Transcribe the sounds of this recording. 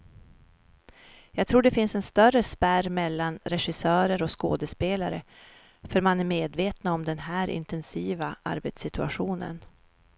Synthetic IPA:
jɑːɡt̪ʰɾuːɖɛfɪnsɛnst̪œrəspæɾmɛlːanɾɛɧɪsœːɾəɾɔsko̰ːd̪əspeːlaɾə̰ | fœɾmanæɾmeːd̪veːt̪naɔmd̪ɛnɦæːɾʔɪ̰nt̪ɛnsiːvaʔa̰ɾbet̪sɪt̪ɵa̰ɧuːnə̰n

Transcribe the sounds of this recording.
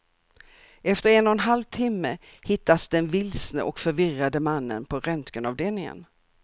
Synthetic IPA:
ʔɛft̪əɾɛnɔnɦalvt̪ʰɪmːəhɪt̪ːasd̪ɛnvɪlsnə̰ʔɔkfœɾvɪrad̪əmanːə̰npʰɔɾœnt̪kənɑvd̪eːlnɪŋə̰n

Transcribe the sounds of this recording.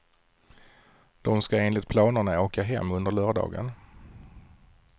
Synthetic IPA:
d̪̥ɔmskaeːnlɪt̪̚pʰlɑːnəɳaoːkaɦɛ̰mːɵnd̪əɭœːɖɑ̰ːɡə̰n

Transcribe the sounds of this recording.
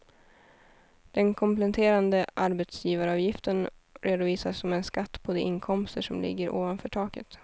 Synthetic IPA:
d̪̥ɛnkʰɔmplɛt̪ʰeːɾand̪əʔaɾbɛt̪sjiːvaɾɑːvjɪft̪ənɾʔeːd̪ʊviːsasɔmɛnskat̪ːpʰɔd̪ɛʔɪnkʰɔmst̪əʂɔmlɪ̰ɡːəɾʔo̰ːvanfœːʈʰɑːkə̰t̪

